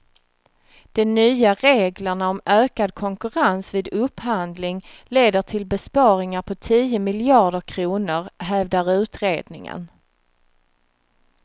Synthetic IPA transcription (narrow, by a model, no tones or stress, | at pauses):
d̪̥ɛmnyːaɾeːɡləɳaɔmøːkad̪̚kʰɔŋkɵɾansviːd̪ɵphand̪lɪŋ | leːd̪əʈʰɪlbɛspɑːɾɪŋaɾpʰɔt̪ʰiːəmɪlɪɑːɖəɾkʰɾuːnʊɾɦɛvd̪aɾʉ̟ːt̪ɾeːd̪nɪŋə̰n